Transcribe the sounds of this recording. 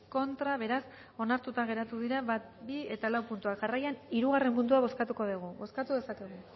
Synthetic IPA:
ko̞nt̪ɾaβ̞e̞ɾas | o̞naɾt̪ut̪aɣ̞e̞ɾat̪uðiɾaβat̪̚bie̞t̪alawpunt̪uakʝarajaniɾuɣ̞are̞mːund̪uaβ̞o̞skat̪uko̞ðuɣ̞uβo̞skat̪uðe̞sake̞ɣ̞u

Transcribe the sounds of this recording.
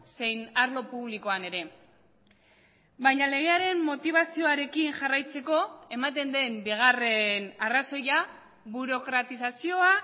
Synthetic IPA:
se̞jnaɾlo̞puβ̞liko̞ane̞ɾe̞ | bajɲale̞ɣ̞e̞aɾe̞mːo̞t̪iβ̞asio̞aɾe̞kinʝarajt͡se̞ko̞e̞mat̪e̞nd̪e̞mbiɣ̞are̞naraso̞ja | βuɾo̞kɾat̪isasio̞a

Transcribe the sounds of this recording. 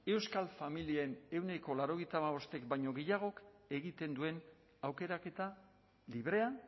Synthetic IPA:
e̞wskalfamilieene̞wne̞ko̞laɾo̞ɣejt̪amaβo̞st̪e̞kbajɲo̞ɣejaɣ̞o̞ke̞ɣit̪e̞nd̪ue̞n | awke̞ɾake̞t̪a | liβɾe̞a

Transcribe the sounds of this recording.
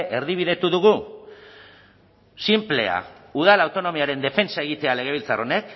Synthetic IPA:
ʔe̞ɾðiβ̞iðe̞t̪uðuɣ̞u | simple̞a̰uð̞alawt̪o̞no̞miaɾe̞nd̪e̞fe̞nsae̞ɣ̞it̪e̞ale̞ɣ̞e̞β̞ilt͡saro̞ne̞k

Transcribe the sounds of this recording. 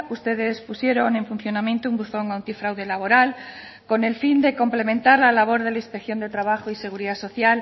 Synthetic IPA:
ust̪e̞ðe̞spusje̞ɾonẽ̞ɱfunθjo̞namjent̪oumbuθo̞ŋawnt̪ifɾawðe̞laβ̞o̞ɾal | ko̞ne̞lfind̪e̞ko̞mple̞mẽnt̪aɾlalaβ̞o̞ɾðe̞laĩspekθjond̪e̞t̪ɾaβ̞axoise̞ɣ̞uɾiðaso̞θjal

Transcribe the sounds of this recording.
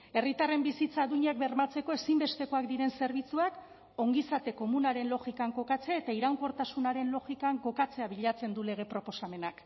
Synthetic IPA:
e̞rit̪are̞mbisit͡saːðuɲak̚be̞ɾmat͡se̞ko̞e̞simbe̞st̪e̞ko̞akd̪iɾe̞nse̞ɾβ̞it͡suak | o̞ŋɡisat̪e̞ko̞munaɾe̞nlo̞ɣikaŋko̞kat͡seaet̪aiɾawŋko̞ɾt̪asunaɾe̞nlo̞ɣikaŋko̞kat͡se̞aβiʎat͡se̞nd̪ule̞ɣ̞e̞pɾo̞po̞same̞nak

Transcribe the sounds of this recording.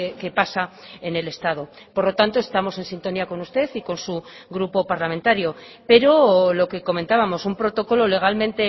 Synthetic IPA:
eke̞pasaene̞le̞st̪að̞o̞ | poɾlo̞t̪ant̪o̞e̞st̪amo̞se̞nsint̪o̞niako̞nust̪e̞θiko̞nsuɣɾupo̞paɾlamẽnt̪aɾjo̞ | pe̞ɾo̞lo̞ke̞ko̞mẽ̞nt̪aβamo̞sumpɾo̞t̪o̞ko̞lo̞le̞ɣ̞almẽ̞nt̪e̞

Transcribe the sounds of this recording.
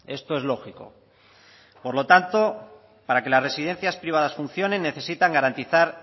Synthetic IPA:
e̞st̪o̞e̞zlo̞xiko̞̰ | po̞ɾlo̞t̪ant̪o̞ | paɾake̞lasre̞sið̞e̞n̟θjaspɾiβaðasfun̟θjo̞nẽ̞nːeθe̞sit̪aŋɡaɾant̪iθaɾ

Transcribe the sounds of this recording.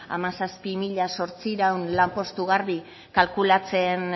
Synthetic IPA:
a̰masaspimiʎaso̞ɾt͡siɾawnlampo̞st̪uɣaɾβi | kalkulat͡se̞n

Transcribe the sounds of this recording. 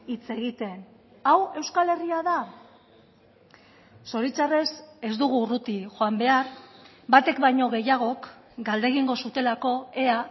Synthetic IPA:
it͡se̞ɣit̪e̞n | awe̞wskale̞riaða | so̞ɾit͡sare̞se̞zd̪uɣ̞urut̪ixo̞ambe̞aɾ | bat̪e̞kbajɲo̞ɣ̞e̞jaɣ̞o̞k | ɡald̪e̞ɣ̞iŋɡo̞sut̪e̞lako̞e̞a

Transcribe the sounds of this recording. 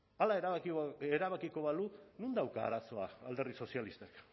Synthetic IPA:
alaeɾeɾaβakiko̞βalunund̪awka̰ːɾaso̞aald̪e̞rðiso̞sjalist̪ek

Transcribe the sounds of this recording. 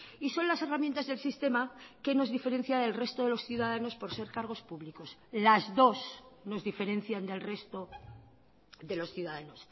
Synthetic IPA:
iso̞nlase̞ramjent̪azðe̞lsist̪e̞make̞no̞zðife̞ɾe̞n̟θjaðe̞lre̞st̪o̞ðelo̞sθjuðaðano̞spo̞ɾse̞ɾkaɾɣ̞o̞spuβliko̞slazðo̞sno̞zðife̞ɾẽ̞n̟θjand̪e̞lre̞st̪o | ðe̞lo̞sθjuðaðano̞s

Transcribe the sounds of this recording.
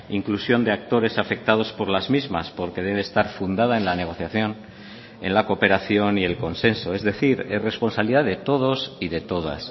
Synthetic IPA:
iŋklusjo̞nd̪e̞ak̚t̪o̞ɾe̞safe̞k̚t̪að̞o̞spoɾlazmizmaspo̞ɾke̞ðe̞βːst̪aɾfund̪að̞ae̞nlane̞ɣ̞o̞θjaθjo̞n | e̞̰nlako̞pe̞ɾaθjo̞nie̞lko̞nse̞nso̞e̞zðe̞θiɾere̞spo̞nsaβliðaðe̞t̪o̞ð̞o̞siðe̞t̪o̞ð̞a̰s

